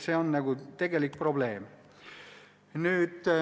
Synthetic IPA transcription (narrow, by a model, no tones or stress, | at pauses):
se̞ːonnɑɡ̥ut̪e̞ɡ̥e̞lik̚pro̞ble̞ːm | nyːd̪̥